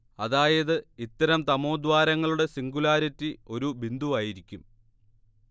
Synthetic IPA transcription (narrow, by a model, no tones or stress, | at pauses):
ɐðaːjɐðɨit̪ːɐɾɐmt̪ɐmo̞ːd̪ʋaːɾɐŋːɐɭuɽe̞siŋɡulaːɾɐtːio̞ɾubind̪uʋaːjiɾikʲːum